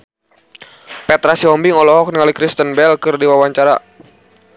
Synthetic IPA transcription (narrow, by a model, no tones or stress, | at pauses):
pɛt̪ɾasiɔmbiŋɔlɔɦɔk̚niŋalikɾist̪ənbɛlkɨrdiwawaɲt͡ʃaɾa̰